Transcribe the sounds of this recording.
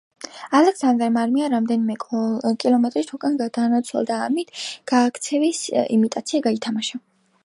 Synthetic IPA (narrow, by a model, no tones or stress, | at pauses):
alɛksand̪ɾamaɾmiaɾamd̪ɛnimɛkʼilˠɔmɛt̪ʼɾit̪ʰukʼanɡad̪anat̪sʰwɛ̰lˠd̪aːmit̪ʰɡ̥aːkʰt̪sʰɛvisḭmit̪ʼat̪sʰiaɡait̪ʰamaʃa